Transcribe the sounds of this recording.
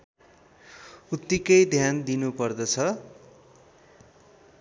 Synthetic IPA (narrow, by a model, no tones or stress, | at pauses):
ut̪ːikʌjd̪ʱjand̪inupʌrd̪ʌt͡sʰʌ